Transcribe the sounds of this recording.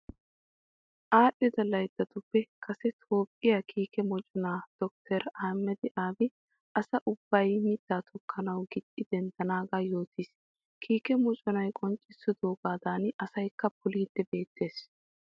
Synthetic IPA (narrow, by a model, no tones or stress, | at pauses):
ʔaːɗːɔd̪ɐlːɐjd̪ɐt̪ʊpːɛkʰɐsɛt̪ʰoːpʼːɪjakʰiːkɛmɔt͡ʃʼɔnaːd̪̥ɔk̚t̪ʰɛɾaːmːɛd̪ɪʔaːbɪ | ʔɐsɐʔʊb̥ːɐjmɪd̪̥ːaːt̪ʰɔkʰːɐnɐwɡɪd̪ːɪd̪ɛnd̪ɐnaːɡaːjo̞ːt̪iːs | kʰiːkɛmɔt͡ʃʼɔnɐjkʼɔnt͡ʃʼːɪsːʊd̪oːɡaːd̪aːnʔɐsɐjkːɐpʊliːd̪̥ːɛbe̞ːt̪ʰːe̞ːs